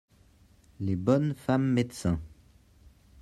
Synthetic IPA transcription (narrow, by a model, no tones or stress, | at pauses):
lebɔnfamːed̪sɛ̃